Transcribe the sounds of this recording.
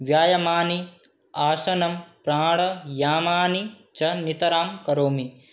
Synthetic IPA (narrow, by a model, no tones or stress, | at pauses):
ʋjaːjɐmaːni | aːsɐnɐmpɾaːɽɐjaːmaːni | t͡ʃɐnit̪ɐɾaːmkɐɾoːmi